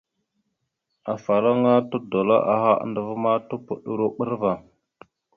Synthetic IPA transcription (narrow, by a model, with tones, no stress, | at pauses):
a˨fa˨lo˦ŋa˦tu˦do˨lo̰˦ʔa̰˨ɦa̰˦ndə˨və˦ma˦tu˦pṵ˨ɗu˨ɾu˦ɓə˦ɾva˨